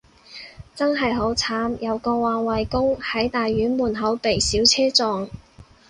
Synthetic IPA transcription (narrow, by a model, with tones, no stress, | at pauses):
t͡sɐ˥nɦɐ˨jɦo˨˥wt͡sʰaː˨˥mjɐ˨˧wkɔː˧waː˨nwɐ˨jkʊ˥ŋhɐ˨˥jt̪aː˨jːyː˨˥nmuː˨˩nɦɐ˨˥wpe˨˩jsiː˨˥wt͡sʰɛː˥t͡sɔː˨˧ŋ